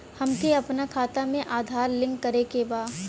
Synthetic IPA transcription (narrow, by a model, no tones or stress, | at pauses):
hɐmkʰeɐpnakʰaːt̪amẽʔaːd̪ʱaːɾlɪ̃ŋɡɐɾekebaː